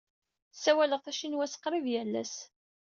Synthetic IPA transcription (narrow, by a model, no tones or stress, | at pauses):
sːæwæləʁθæʃinwæsə̥qɾˤivjælːæ̰s